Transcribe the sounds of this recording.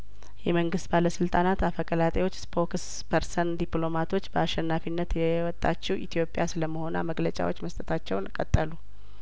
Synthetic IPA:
jɛməŋɡɨst̪baləsɨlt̪ʼanat̪afəkʼəlat̪ʼewo̞t͡ʃːspʰo̞ks | pʰəɾsənd̪ipʼlo̞mat̪ʰo̞t͡ʃːbəaʃɛnːafinːət̪jɛwɔt̪ʼːat͡ʃːiwʔit̪ʰijo̞pʼːjasɨləmːəho̞na̰məɡlət͡ʃʼa̰wo̞t͡ʃːməst̪ʼət̪ʰat͡ʃːɛwnkʼət̪ʼːəlu

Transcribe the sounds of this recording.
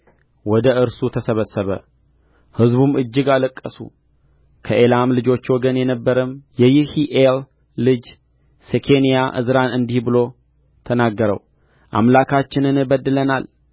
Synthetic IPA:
wɔd̪əʔɨɾsut̪ʰəsəβəsːəβə̰ | hɨzbumɨd͡ʒːɪɡaləkʼːəsṵ | kʰəʔelamlɨd͡ʒo̞t͡ʃːwɔɡənjɛnəbːəɾəmjɛjɪhiʔelː | ɨd͡ʒ | sekʰe̞nijaʔɨ̰zɾanɨnd̪ihbɨlo̞ | t̪ʰənaɡːəɾə̰w | ʔa̰mlakʰat͡ʃːɪnɨnbəd̪ːɨlənal

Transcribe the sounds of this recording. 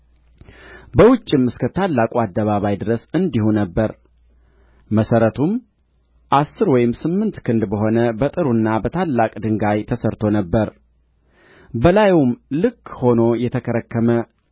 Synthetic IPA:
bəwʊt͡ʃʼːɪmɨskʰət̪ʰalːakʼuad̪ːəβaβajd̪ɨɾəsɨnd̪ihunəbːəɾ | məsəɾət̪ʰum | ʔasːɨɾwɔjɪmsɨmːɨnt̪kʰɨnd̪bəɦo̞nəbət̪ʼɨɾunːabət̪ʰalːakʼd̪ɨŋɡajt̪ʰəsəɾt̪ʰo̞nəbːəɾ | bəlajumlɨkːho̞no̞jɛt̪ʰəkʰəɾəkʰːəmə

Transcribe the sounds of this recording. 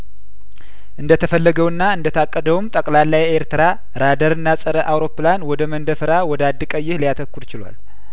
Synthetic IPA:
ʔɨnd̪ət̪ʰəfəlːəɡəwɨnːaɨnd̪ət̪ʰakʼːəd̪əwumt̪ʼəkʼlalːajeɾt̪ʰɨɾa | ɾad̪əɾɨnːasʼəɾəʔawɾo̞pːlanwɔd̪əmənd̪əfɨɾawɔd̪ad̪ːɨkʼəjːɪhlijat̪ʰəkːuɾt͡ʃɪla̰l

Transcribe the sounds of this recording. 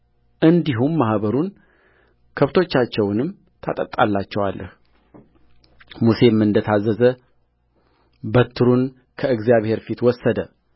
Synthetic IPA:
ʔɨnd̪iɦumːahβəɾun | kʰəβt̪ʰo̞t͡ʃːat͡ʃːɛwnɨm | t̪ʰa̰t̪ʼət̪ʼalːat͡ʃːɛwalːə̰h | muse̞mɨnd̪ət̪ʰazəzə | bət̪ʰːɨɾun | kʰəɨɡzjaβhe̞ɾfit̪wɔsːəd̪ə

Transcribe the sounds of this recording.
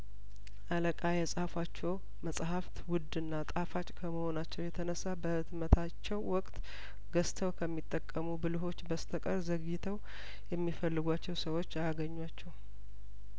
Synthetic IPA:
ʔaləkʼajɛsʼhafat͡ʃːɛw | məsʼɦaft̪wʊd̪ɨnːat̪ʼafat͡ʃʼkʰəməho̞nat͡ʃːɛwjɛt̪ʰənəsːabəɨd̪mət̪ʰat͡ʃːɛwwɔkʼt̪ | ɡəst̪ʰəwkʰəmːit̪ʼːəkʼːəmubɨlɨɦo̞t͡ʃːbəst̪ʰəkʼəɾzəɡɪt̪ʰəw | jɛmːifəlːɨɡʷat͡ʃːɛwsəwo̞t͡ʃːajaɡəɲːwat͡ʃːɛw

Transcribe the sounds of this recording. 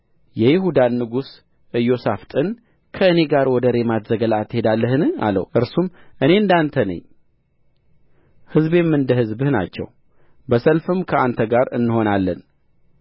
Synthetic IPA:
jɛjɪɦud̪anːɨɡus | ʔɨjːo̞saft̪ʼɨn | kʰəɨne̞ɡaɾwɔd̪əɾe̞mat̪zəɡəlat̪ːhe̞d̪alːəɦɨnɨa̰lə̰wʔɨɾsumʔɨne̞ɨnd̪ant̪ʰənə̰ɲ | hɨzbe̞mːɨnd̪əɦɨzbɨhna̰t͡ʃːɛ̰w | bəsəlfɨmkʰəʔant̪ʰəɡaɾɨ̰nːɨho̞nalːə̰n

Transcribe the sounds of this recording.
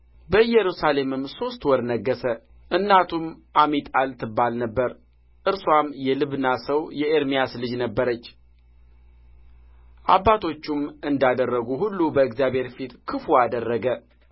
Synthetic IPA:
bəjɛɾusale̞mɨmso̞st̪wɔɾnəɡːəsə | ʔɨnːat̪ʰumʔamit̪ʼalt̪ʰɨbːalnəbːəɾ | ʔɨɾswamjɛlɨβɨnːasəwjɛeɾmijaslɨd͡ʒnəbːəɾət͡ʃː | ʔa̰bːat̪ʰo̞t͡ʃːumɨnd̪ad̪ərːəɡuhulːubəɨɡzjabhe̞ɾfit̪kʰɨfuad̪ərːəɡə

